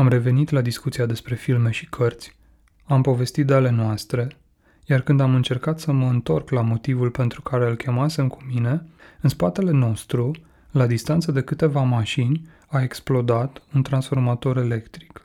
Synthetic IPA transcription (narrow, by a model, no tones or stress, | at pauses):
amre̞ve̞nit̪lad̪iskut̪siad̪e̞spɾe̞filme̞ʃi̥kʰərt̪sʲ | ampo̞ve̞st̪it̪̚d̪eale̞noast̪ɾe̞ | jarkɨnd̪amɨnt͡ʃe̞rkat̪səməɨnt̪o̞rklamo̞t̪ivulpe̞nt̪ɾukaɾe̞ɨlkʲe̞mase̞mkʰu̥mine̞ɨnspat̪e̞le̞no̞st̪ɾu | lad̪ist̪ant̪səd̪e̞kɨt̪e̞vamaʃinʲ | ae̞ksplo̞d̪at̪unt̪ɾansfo̞rmat̪o̞ɾe̞le̞kt̪ɾi̥k